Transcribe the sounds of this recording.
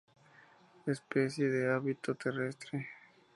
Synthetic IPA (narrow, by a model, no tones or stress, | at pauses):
espesjeðeaβit̪o̞t̪ʰerest̪ɾe